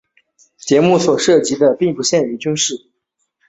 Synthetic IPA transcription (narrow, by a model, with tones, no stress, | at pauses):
t͡ɕjɛ˧˥mu˥˩swɔ˨˩ʂɤ˥˩t͡ɕi˧˥d̪ə˧pi˥˩ŋpu˧˥ɕjɛ˥˩ny˧˥t͡ɕy˥nʂɻ̩˥˩